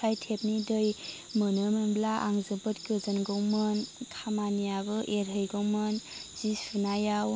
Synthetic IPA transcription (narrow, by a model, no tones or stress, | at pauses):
ajtʰep̚nidɯj | mɯnɯmɯnblaʔaŋzɯpɯt̚kɯzɯnɡɯwmɯntʰamanijabɯʔeɾɦɯjɡowmɯnz̥ispɯnajaw